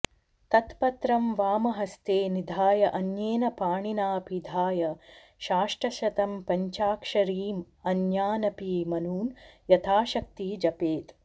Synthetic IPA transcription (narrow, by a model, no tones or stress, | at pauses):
t̪ɐt̪pɐt̪ɾɐmʋaːmɐɦɐst̪eːnid̪ʱaːjɐʔɐnjeːnɐpaːɳinaːpid̪ʱaːjɐ | ʃaːʂʈɾɐʃɐt̪ɐmpɐɲt͡ʃaːkʂɐɾiːm | ɐnjaːnɐpiːmɐnuːnjɐt̪ʰaːʃɐk̚t̪iːd͡ʒɐpeːt̪